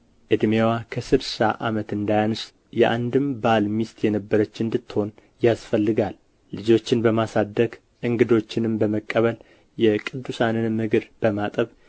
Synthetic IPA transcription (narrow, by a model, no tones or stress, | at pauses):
ʔɨd̪mewakʰəsɨɾsaʔa̰mət̪ɨnd̪ajanɨs | jɛʔand̪ɨmbalmist̪ʰʼjɛnəbːəɾət͡ʃːɨnd̪ɨt̪ːɨho̞n | jasfəlːɨɡalː | ɨd͡ʒo̞t͡ʃːɪnbəmasad̪ːəɡ | ʔɨŋɡɨd̪o̞t͡ʃːɪnɨmbəməkʼːəβəl | jɛkʼɨd̪ːusanɨnmɨɡɨɾb̥əmat̪ʼəβ